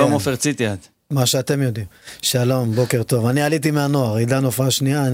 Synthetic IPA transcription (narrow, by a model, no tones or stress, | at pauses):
omofeʁt͡sit̪iad̪ | maʃeat̪e̞mjo̞d̪imʃalo̞mbo̞ke̞ʁt̪o̞vanialit̪̬imeano̞aʁidanofaʃnia